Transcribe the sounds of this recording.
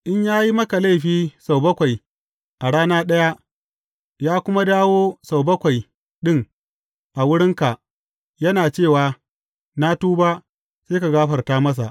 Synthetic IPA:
ʔɪ˦ɲjaː˦ji˦mɐ˦ka˨la˦˨ɸiː˦sa˨wbɐ˦kʷa˨j | ʔa˨ɽaː˦naː˦ɗɐ˦ja˦ʔ | jaː˦kʷʊ˦ma˦daː˦woː˦sa˨wbɐ˦kʷa˨j | ɗɪ˦ŋ | ʔa˨wʊ˦ɽɪ˦ŋka˨ʔ | jɐ˦naː˨t͡ʃeː˦˨waː˨ | naː˦tuː˦baː˦ | seː˦ka˨ɡaː˦ɸɐ˨rtaː˦mɐ˦s̬a˨ʔ

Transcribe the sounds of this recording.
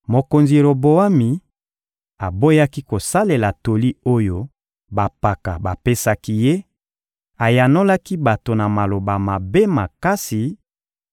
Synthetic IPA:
mo˨ko˨nzi˨ɾo˨bo˨a˦mi˨ | a˨bo˦ja˦ki˦ko˨sa˦le˨la˨to˨li˦o˦jo˦ | ba˨pa˨ka˨ba˨pe˦sa˦ki˦je˦ | a˨ja˨no˦la˦ki˦ba˨to˨na˨ma˨lo˨ba˨ma˨be˦ma˨ka˦si˨

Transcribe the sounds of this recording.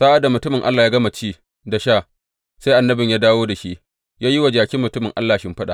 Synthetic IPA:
saː˦ʔa˨da˨mʊ˨tʊ˦mɪ˨ŋʔa̰˦lːaː˨jaː˦ɡɐ˦ma˨t͡ʃiː˦ | da˨ʃaː˦˨ | se˦ʔa˨nːɐ˦bɪ˨ɲjaː˦daː˦woː˦da˨ʃi˦ʔ | jaː˦ji˦wa˨d͡ʒaː˨kʲɪ˦mːʊ˨tʊ˦mɪ˨ŋʔa˦lːaː˨ʃɪ˦mɸa˦ɗa̰˨

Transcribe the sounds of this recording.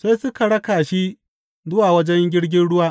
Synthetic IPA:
seː˦sʊ˦ka˨ɽɐ˦kaː˨ʃi˦ | zʊ˦waː˨wɐ˦d͡ʒɛ˦ŋɡʲɪ˦ɽɡʲɪ˦nɽʊ˦waː˦ʔ

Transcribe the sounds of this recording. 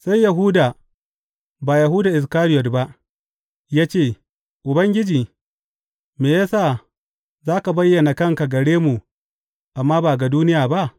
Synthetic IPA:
sa˦jːa˨ɦʊ˦daː˨ | baː˨ja˨ɦʊ˦daː˨ʔɪ˨s̬kaː˦ɾɪ˦jɔ˨tba˦ʔ | jaː˦t͡ʃeː˦˨ | ʔʊ˨bɐ˦ŋɡʲɪ˦d͡ʒiː˨ | meː˨jaː˦saː˦˨ | zaː˦ka˨bɐ˦jːɐ˨na˨kɐ˦ŋka˨ɡɐ˨ɽeː˦mu˨ | ʔa˨mːaː˦baː˨ɡa˨duː˦nɪ˦jaː˨ba˦ʔ

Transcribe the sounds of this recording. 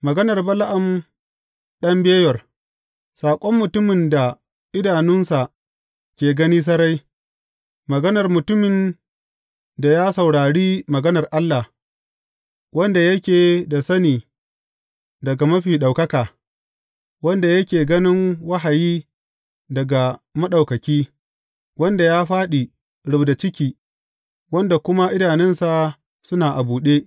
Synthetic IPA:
mɐ˨ɡɐ˦nɐ˨rbɐ˦la˦ʔɐ˨m | ɗɐ˦mbeː˦jɐ˨r | saː˨kʷʼɔ˦mːʊ˨tʊ˦mɪ˨nda˨ | ʔɪ˦daː˨nʊ˦nsa˨ | kʲeː˨ɡɐ˦niː˦s̬ɐ˦ɾa˦j | mɐ˨ɡɐ˦nɐ˨rmʊ˨tʊ˦mɪ˨n | da˨jaː˦sɐ˨wɽaː˨ɽiː˦mɐ˨ɡɐ˦nɐ˨rʔa˦lːa˨h | wɐ˦nda˨jɐ˦kʲeː˨da˨sɐ˦niː˨ | dɐ˨ɡa˨mɐ˦ɸiː˨ɗa˨wkɐ˦kaː˨ | wɐ˦nda˨jɐ˦kʲeː˨ɡɐ˦nɪ˦ŋwɐ˦ɦa˨jiː˦ | dɐ˨ɡa˨mɐ˦ɗa˨wkɐ˨kʲiː˦ | wɐ˦nda˨jaː˦ɸaː˦ɗi˨ | ɽʊ˨bda˨t͡ʃɪ˦kʲiː˨ | wɐ˦nda˨kʷʊ˦ma˦ʔɪ˦daː˨nɛ˦nsa˨ | sʊ˦naː˨ʔa˨buː˨ɗeː˦ʔ

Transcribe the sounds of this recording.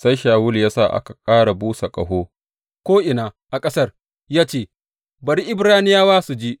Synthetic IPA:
sa˦jʃaː˨wʊ˦ljaː˦sa̰˦˨ʔa̰˦ka˨kʼaː˦ɽa˨buː˦sa˨kʼɐ̰˨ɦoː˦ | kʷoː˦ʔɪ˨naː˨ʔa˨kʼɐ˦sɐ˦r | jaː˦t͡ʃeː˦˨ | bɐ˨ɾi˦ʔɪ˦bɽaː˦nɪ˦jaː˦waː˦su˨d͡ʒiː˦ʔ

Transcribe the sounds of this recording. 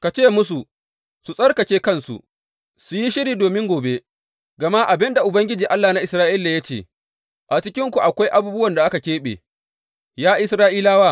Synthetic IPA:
ka˨t͡ʃeː˦˨mʊ˦s̬u˨ | su˨sʼɐ˦rkɐ˨kʲeː˦kɐ˦˨nsṵ˨ | su˨ji˦ʃɪ˦ɾiː˨doː˨mɪ˦ŋɡʷoː˨be˦ | ɡɐ˨ma˦ʔa˨bɪ˦nda˨ʔʊ˨bɐ˦ŋɡʲɪ˦d͡ʒiː˨ʔa˦lːaː˨na˦ʔɪ˨sɾaː˦ʔɪ˦lːa˨ja˦t͡ʃḛː˨ | ʔa˨t͡ʃɪ˦kʲɪ˦ŋkʷu˨ʔa˨kʷa˦jʔa˦buː˦bʊ˦wɐ˨nda˨ʔa˦ka˨kʲeː˦ɓḛː˨ | jaː˦ʔɪ˦sɾaː˦ʔi˦laː˦waː˦˨

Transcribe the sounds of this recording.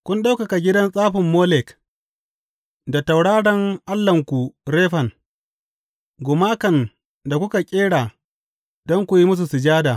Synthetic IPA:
kʷʊ˦nɗa˦wka˨ka˨ɡʲɪ˦dɐ˦nsʼaː˦ɸɪ˨mːoː˦lɛ˨k | da˨ta˨wɽaː˦ɽɐ˦ŋʔa˦lːɐ˨ŋkʷu˨ɾeː˦ɸɐ˨ŋ | ɡʷʊ˨maː˦kɐ˨n | da˨kʷʊ˦ka˨kʲʼeː˦ɽaː˨ | dɔ˦ŋkʷu˨ji˦mʊ˦s̬u˨sɪ˨d͡ʒaː˦daː˨

